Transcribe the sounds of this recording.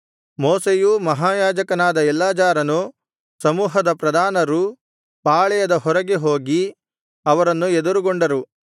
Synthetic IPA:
moːsejumɐɦaːjaːd͡ʒɐkɐnaːd̪ɐɛlːaːd͡ʒaːɾɐnu | sɐmuːɦɐd̪ɐpɾɐd̪ʱaːnɐɾu | paːɭɛjɐd̪ɐɦɔɾɐɡeɦo̞ːɡi | ɐʋɐɾɐnːued̪uɾuɡoɳɖɐɾu

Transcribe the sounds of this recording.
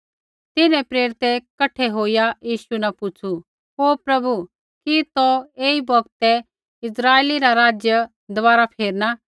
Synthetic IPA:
t̪ɪnɛ̃pɾeːɾɪt̪ɛkɐʈʰɛɦoːijajiːʃunapʊt͡ʃʰu | ɦoːpɾɐbu | kit̪ɔeːibɔɡt̪ɛ | ɪsɾaːeːliɾaɾaːd͡ʒjə | d̪ɔʋaːɾapʰeːɾna

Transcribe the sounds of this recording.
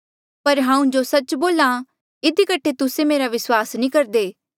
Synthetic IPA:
pɐɾɦãːũd͡ʒosɐt͡ʃboːlã | ɪd̪ikəʈʰːet̪ʊsemeːɾaʋɪswaːsnĩːkɐɾd̪eː

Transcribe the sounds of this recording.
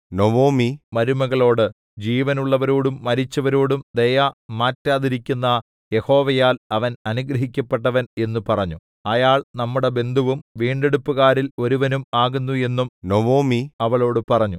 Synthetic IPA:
noʋoːmimɐɾumɐɣɐɭo̞ːɽɨ | d͡ʑiːʋɐnuɭːɐʋɐɾoːɽumːɐɾit͡ɕːɐʋɐɾoːɽumd̪ejɐmaːtːaːðiɾikʲːunːɐ | je̞ho̞ːʋɐjaːlɐʋɐnɐnuɡɾɐɦikʲːɐpːe̞ʈːɐʋɐne̞nːupɐrɐɲːu | ɐjaːɭnɐmːuɽe̞be̞nd̪ʱuʋumʋiːɳɖe̞ɽupːuɣaːɾilo̞ɾuʋɐnumaːɣunːue̞nːumnoʋoːmiɐʋɐɭo̞ːɽɨpɐrɐɲːu

